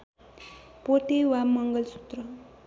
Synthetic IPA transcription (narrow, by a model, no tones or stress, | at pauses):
poʈewamʌŋɡʌlsu̥t̪ɾʌ